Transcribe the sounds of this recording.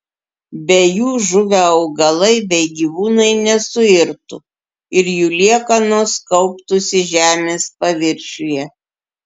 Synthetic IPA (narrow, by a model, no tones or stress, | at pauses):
bʲɛjuːʒʊʋʲæɒʊɡɐlˠɐɪbʲɛɪɡʲiʋuːnɐɪnʲɛsʊɪɾt̪ʊ̰ | ɪɾjuːlʲiɛkɐnoːskɐʊpt̪ʊsʲɪʒʲæːmʲeːspɐʋʲɪɾʲʃʲʊjɛ